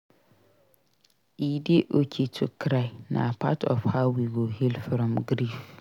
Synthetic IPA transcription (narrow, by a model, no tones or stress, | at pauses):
idɪʔokʰitʰʊkʰɾaɪnã̰pʰa̰tʰɔfhaʊwiɡohilfɾɔ̃mɡɾif